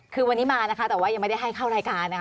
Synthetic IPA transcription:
kʰɯː˧wa˧nːiː˦˥maː˧na˦˥kʰa˦˥t̪ɛː˨˩waː˥˩ja˧ŋma˥˩jda˥˩ɦa˥˩jkʰa˥˩wɾaː˧jkaː˧nːa˦˥

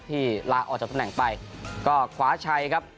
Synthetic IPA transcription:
t̪ʰiː˥˩laː˧˥ʔɔ̰ː˨˩k̚t͡ɕa˨˩t̪ʰnɛ˨˩˦ŋpa˧jkɔː˥˩kʰwaː˩˦t͡ɕʰa˧jkʰa˦˥p̚

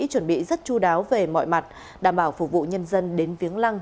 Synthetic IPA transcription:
t͡ɕwə˧˩nɓḭ˧˨zə˦˥t̚t͡ɕu˧ɗaː˨˦wve˨˩mɔ̰˧˨jma˨˩t̚ | ɗaː˧˩mɓaː˧˩wfʊ˨˩k͡p̚vṵ˧˨ɲə˧nzə˧nɗe˨˦nvi˨˦əŋla˧ŋ

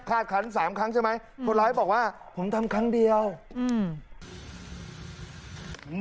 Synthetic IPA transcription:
kʰaː˥˩t̪̚kʰa˦˥ns̬aː˩˦mkʰɾa˦˥ŋt͡ɕʰa˥˩ma˦˥jkʰo˧nlɔː˦˥jbɔː˨˩k̚waː˥˩ | pʰo˩˦mt̪ʰa˧mkʰa˦˥ŋdi˧əwː | m

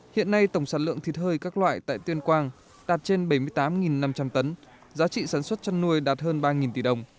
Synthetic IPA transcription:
hḭ˧˨ənːa˧jt̪ə˧˩wŋ͡msaː˧˩tlɨ̰˧˨əŋt̪ʰi˨˩t̚həː˧jkaː˦˥k̚lwa̰ː˧˨jt̪a̰ː˧˨jt̪wi˧ənkwaː˧ŋ | ɗaː˨˩t̚t͡ɕe˧nɓə˧˩jmɨ˧əjt̪aː˨˦mŋi˨˩nːa˧mt͡ɕa˧mt̪ə˨˦n | zaː˨˦t͡ɕḭ˧˨saː˧˩nswə˦˥t̚t͡ɕɔ˧nːu˧əjɗaː˨˩t̚həː˧nɓaː˧ŋi˨˩nt̪i˧˩ɗə˨˩wŋ͡m

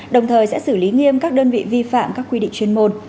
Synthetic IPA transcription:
ɗə˨˩wŋ͡mt̪ʰəː˨˩jsɛ̰˧˥sɨ˧˩li˨˦ŋi˧əmkaː˦˥k̚ɗəː˧nvḭ˧˨vi˧fa̰ː˧˨mkaː˦˥kːwi˧ɗḭ˧˨ŋt͡ɕwi˧ənmo˧n

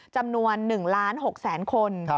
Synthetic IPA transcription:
t͡ɕa˧mnu˧ənːɯ˨˩ŋlaː˦˥nɦo˨˩k̚sɛː˩˦nkʰo˧n

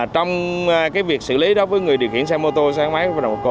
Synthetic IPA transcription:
t͡ɕɔ˧wŋ͡mkaː˨˦jvi˨˩ək̚sɨ̰˧˨li˨˦ɗɔ˨˦vəː˨˦jŋɨ˨˩əjɗi˨˩əwxḭ˧˨ənsɛ˧mo˧t̪o˧saː˨˦ŋmaː˨˦ja˧˩la˨˩mo˨˩ko˧

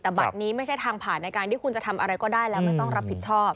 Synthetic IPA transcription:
t̪ɛː˨˩ba̰˨t̪̚niː˦˥ma˥˩jt͡ɕʰa˥˩jt̪ʰaː˧ŋpʰaː˨˩˦nːa˧jkaː˧nt̪ʰiː˥˩kʰu˧nt͡ɕa˨˩t̪ʰa˧mʔa˧ɾa˧jkɔː˥˩daː˥˩jlɛː˦˥ma˥˩jt̪ɔ˥˩ŋɾa˦˥pʰːi˨˩t͡ɕʰɔː˥˩p̚

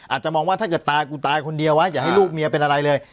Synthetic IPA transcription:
ʔaː˨˩t̪̚t͡ɕa˨˩mɔː˧ŋwaː˥˩t̪ʰa˥˩kɤː˨˩t̪ːaː˧jkuː˧t̪aː˧jkʰo˧ndi˧əwa˦˥jaː˨˩ha˥˩jluː˥˩k̚mi˧ɐpe˧nʔa˧ɾa˧jlɤː˧j

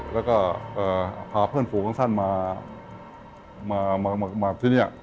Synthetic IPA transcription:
lɛː˦˥wkɔː˥˩ʔɤː˨˩pʰaː˨˩˦pʰɤː˥˩nfʰuː˨˩˦kʰa˥˧ŋt̪ʰa˥˩nmaː˧ | maː˧maː˧ma˧maː˧t̪ʰiː˥˩ni˥˩ɐ

